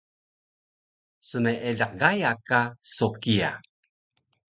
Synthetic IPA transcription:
səmeʔeɮaq̚ɡajakasokia̰

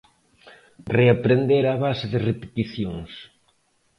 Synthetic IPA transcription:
reapɾend̪eɾaβasɪðɪrepe̥t̪iθjoŋs

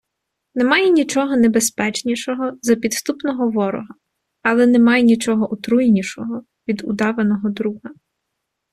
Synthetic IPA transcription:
nemɑjɛnʲit͡ʃɔɦɔnebespɛt͡ʃnʲiʃɔɦɔzɐpʲid̪st̪upnɔɦɔʋɔɾɔ̰ɦɐ | ɐlˠɛnemɑjɛnʲit͡ʃɔɦɔʔɔt̪ɾujnʲiʃɔɦɔ | ʋʲid̪ṵd̪ɑʋenɔɦɔd̪ɾuɦɐ

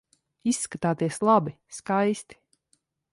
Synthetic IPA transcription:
isːkat̪aːt̪iɛslˠabi | skajst̪i̥

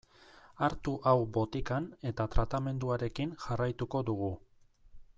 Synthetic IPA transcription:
aɾt̪uʔawbo̞t̪ikane̞t̪at̪ɾat̪ame̞nd̪uaɾe̞kinʝarajt̪uko̞ðuɣ̞u

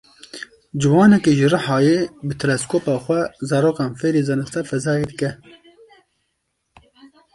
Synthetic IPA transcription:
d͡ʒɨwɑːnɛkeːʒɨrɨħɑːjeːbɨt̪ʰɨɾɛskoːpɑːxʷɛzɑːɾoːkɑːnfeːɾeːzɛnɨst̪ɛfɛzɑːjed̪ɨkɛ

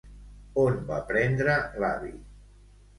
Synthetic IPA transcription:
onba̰pɾɛnd̪ɾəla̰βḭ

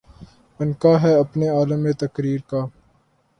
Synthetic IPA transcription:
ɐnkaːɦɛɐpneaːləmːẽt̪ɐkɾiːɾkaː

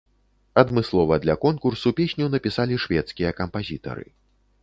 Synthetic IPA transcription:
ɐd̪mɨslˠɔvɐd̪lʲɐkɔnkursupʲesʲnʲunɐpʲisalʲiʂvʲɛt̪skʲijɐkɐmpazʲit̪ɐ̰ɾɨ̰

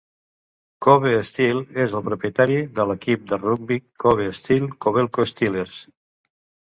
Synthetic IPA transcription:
koβeːst̪ilezəlˠpɾupjət̪aɾiðələkip̚d̪əruɡ̚bikːoβeːst̪ilˠkoβelˠkost̪ileɾs

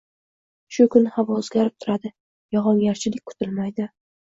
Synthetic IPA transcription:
ʃʊkʰʊnɪhavɒɵzɡʲaɾɪp̚t̪ʰʊɾad̪ɪ | jɒʁɒŋjaɾt͡ʃʰɪlɪkʲkʰʊ̥t̪ʰɪlmajd̪ɪ

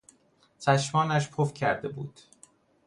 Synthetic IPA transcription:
t͡ʃʰæʃmɒːnæʃpʰofcʰæɾd̪e̞bṵːd̪̥

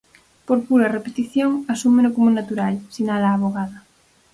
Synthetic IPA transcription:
poɾpuɾarepet̪iθjoŋasumenokomonat̪uɾalsinalaːβ̞oɣaða

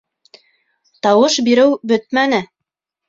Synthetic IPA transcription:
t̪ɑwɤʃbiɾɘwbɵt̪̚mænɘ

